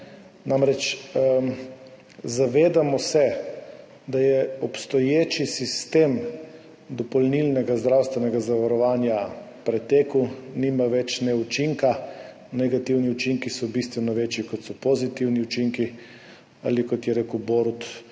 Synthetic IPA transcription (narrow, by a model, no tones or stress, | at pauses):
nʔamɾɛt͡ʃ | zaʋeːd̪amɔsɛ | d̪ajɛɔpst̪ɔjeːt͡ʃisist̪eːm | d̪ɔpɔlnilnɛɡazd̪ɾawst̪ʋɛnɛɡazaʋaɾɔʋaːnja | pɾɛt̪eːkəwnimaʋɛt͡ʃnɛut͡ʃiŋka | nɛɡat̪iwniut͡ʃiŋkisɔbist̪ʋɛnɔʋeːt͡ʃjikɔt̪sɔpozit̪iwniut͡ʃiŋki | a̰likɔt̪jɛɾeːkəwboɾut̪